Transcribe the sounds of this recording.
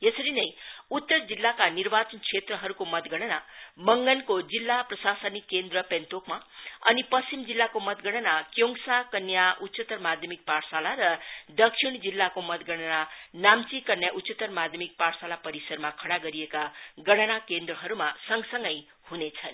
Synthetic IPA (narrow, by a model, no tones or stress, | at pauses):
jesʌɾinʌjut̪ːʌrd͡zilːakanirbat͡sʌnkt͡sʰet̪rʌɦʌɾukomʌt̪ɡʌɽ̃anamʌŋɡʌnkod͡zilːaprʌsasʌnikːend̪rʌpent̪okmaʌnipʌst͡simd͡zilːakomʌt̪ɡʌɽ̃ʌnakjoŋsakʌnjaʔut̪ːsʌt̪ʌrmad̪ʱjʌmik̚parsalaɾʌd̪ʌkʂʰiɽ̃d͡zilːakomʌt̪ɡʌɽ̃ananamt͡sikʌnjaʔut̪ːsʌt̪ʌrmad̪ʱjʌmik̚parsalapʌɾisʌrmakʰʌɽaɡʌɾiekaɡʌɽ̃anakend̪rʌɦʌɾumasʌŋsʌŋɡʌj | hunet͡sʰʌn